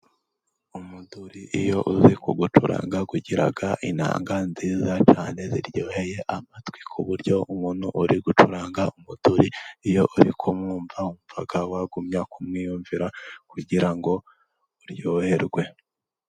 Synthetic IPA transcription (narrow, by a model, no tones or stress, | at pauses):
umuduɾiʔijo̞ʔuzikuɡutuɾa̰ːŋɡaɡuɟiɾa̰ɡaʔina̰ːŋɡanziːzat͡ʃaːne̞ziɾjoːhe̞je̞ʔamatwikʰuβuɾjo̞umuːn̥huʔuɾiɡutuɾaːŋɡaumud̥uɾiːjo̞ʔuɾḭkʰomŋuːɱvaumuvaɡawaɡumɲakumŋiːjuːɱviɾakuɟiɾaŋɡo̞ | uɾjoːhe̞ɾɡwe̞